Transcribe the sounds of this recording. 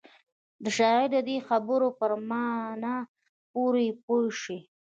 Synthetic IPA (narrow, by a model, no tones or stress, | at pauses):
d̪əʃɑɣid̪əd̪exabəɾopəɾmɑna | poɾepojʃi